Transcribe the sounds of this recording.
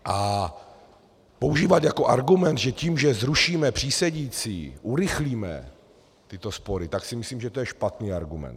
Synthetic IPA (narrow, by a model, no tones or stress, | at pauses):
ʔa | po̞uʒiːvat̪jako̞ʔaɾɡumɛnd̪ʒɛciːmʒɛzɾuʃiːmɛpr̝̥iːsɛɟiːt͡sḭːʔuɾɪxliːmɛ̰ | t̪ɪt̪o̞spo̞ɾɪt̪aksɪmɪsliːmʒɛt̪ojɛʃpat̪niːaɾɡumɛ̰nt̪